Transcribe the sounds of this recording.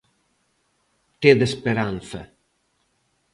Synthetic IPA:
t̪ed̪espeɾanθa̰

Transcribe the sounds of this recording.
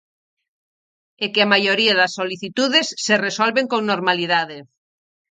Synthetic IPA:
ekeamajoɾiaðɐsːoliθit̪uðesːeresolβeŋkoŋnoɾmaliðaðe

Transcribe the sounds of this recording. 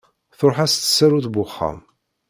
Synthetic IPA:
θoɾˤħæst̪ːə̥sːæɾuθbʊχːa̰m

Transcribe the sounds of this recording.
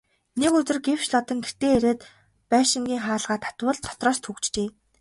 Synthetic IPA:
nekɵt͡sɘ̆rɡew̥t͡ɕɮɔt̪ə̆ŋɡer̥t̪eːeɾeːt̪ | pæːʃɪ̆ŋɡʲiːŋχaːɮʁaːt̪ʰːḁt̪wə̆ɮt̪ʰɔ̥t̪rɔːst̪ʰxukt͡ɕt͡ɕeː

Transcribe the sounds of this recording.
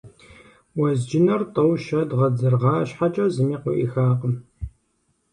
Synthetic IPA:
wɐzd͡ʒɪnɐrtʼɐwʃɐdʁɐd͡zɨrʁɑːɕħat͡ʃʼɐzɨmiːqʷʊʔḭxaːqəm

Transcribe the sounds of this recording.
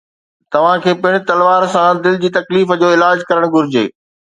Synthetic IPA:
t̪ɐʋ̤ãkʰeːpɪɽ̃ɪ̆t̪ɐlʋaːɾsãd̪ɪld͡ʑiːt̪ɐkliːfd͡ʑoːɪlaːd͡ʑkɐɾəɽ̃ɡʱʊɾɪd͡ʑḛː

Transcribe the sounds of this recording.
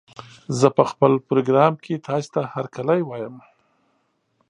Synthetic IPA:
zəpəxpəlpɾoɡɾɑmkʰet̪ʰɑse̥t̪ahaɾkalajwɑjəm

